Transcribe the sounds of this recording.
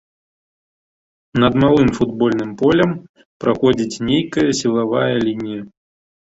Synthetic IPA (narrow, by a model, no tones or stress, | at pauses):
nɐd̪malˠɨmfud̪bɔlʲnɨmpɔlʲɐm | pɾaxɔd͡zʲit͡sʲnʲejkɐjɐsʲilˠavajɐlʲinʲijɐ